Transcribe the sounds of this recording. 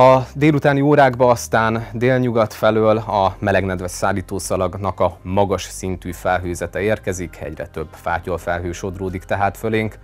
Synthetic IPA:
ɒd̪eːlut̪aːnioːɾaːɡbɒːst̪aːnd̪eːlɲuɡɒt̪fɛløːlɒmɛlɛɡnɛd̪ʋɛt̪saːlːiːt̪oːsɒlɒɡnɒkɒmɒɡɒʃsint̪yːfɛlɦøːzɛt̪ɛeːrkɛzikɛ̰ɟrɛ̰t̪ø̞bːfa̰ːcolfɛlɦøːʃo̞d̪roːd̪ikt̪ɛɦaːt̪fø̞leːŋk

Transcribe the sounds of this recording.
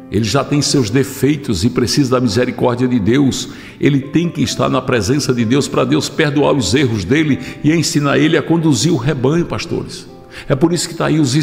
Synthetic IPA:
elɪʒat̪ẽj̃sewzd̪efejt̪ʊzɪpɾesizɐd̪ɐmizeɾikɔɾd̪d͡ʒiɐd̪ɪd̪ews | elɪt̪ẽj̃kɪːʃt̪a̰ɾnɐpɾɛzẽsɐd̪ɪd̪ewspɾɐd̪ewspeɾd̪ua̰ɾʊzeɦʊzd̪elɪɪẽsĩnaɾelɪɐkõnd̪uziɾʊɦebɐ̃ɲʊpaʃt̪o̰ɾɪs | ɛpoɾisʊ̥kɪ̥t̪aiʊzi

